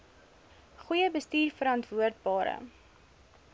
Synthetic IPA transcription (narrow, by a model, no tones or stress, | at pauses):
χujəbəstiːrfəɾɑntvuərt̚bɑːɾə̰